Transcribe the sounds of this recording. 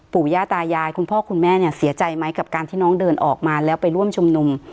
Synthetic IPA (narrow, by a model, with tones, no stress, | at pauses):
puː˨˩jaː˥˩t̪aː˧jaː˧jkʰu˧npʰɔː˥˩kʰu˧nmɛː˥˩ni˥˩ɐsi˨˩˦t͡ɕa˧jma˦˥jka˨˩p̚kaː˧nt̪ʰiː˥˩nɔː˦˥ŋdɤː˧nʔɔː˨˩k̚maː˧lɛː˦˥wpa˧jɾu˥˩əmt͡ɕʰu˧mnu˧m